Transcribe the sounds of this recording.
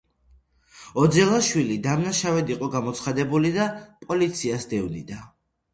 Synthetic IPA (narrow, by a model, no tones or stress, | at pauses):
ɔd̪zɛlˠaʃwilid̪amnaʃavɛd̪iqʼɔɡamɔt̪sʰχad̪ɛbulid̪apʼɔlit̪sʰiasd̪ɛvnḭd̪a